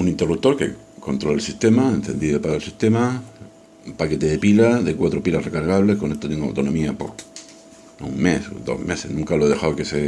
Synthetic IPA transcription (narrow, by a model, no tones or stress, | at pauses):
unĩnt̪erup̚t̪o̞ɾkḛ | ko̞nt̪ɾolelsit̪e̞maenθe̞nd̪iðopaɾaelsist̪e̞ma | pake̞t̪eðepilaðekwat̪ɾopilasrekaɾɣ̞aβle̞hkonet̪ot̪eŋɡoa̰wt̪ono̞miapo | uŋmeso̰d̪o̰hmesehnũŋkaloeðexawkese